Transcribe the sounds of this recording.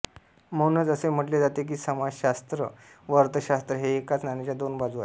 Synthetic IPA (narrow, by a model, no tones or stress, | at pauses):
mənət͡səsem̤əʈled͡zat̪ek̬iːsəmad͡zɕast̪ɾəʋəɾt̪əɕast̪ɾəɦeːkat͡snanet͡ɕjad̪onbad͡zua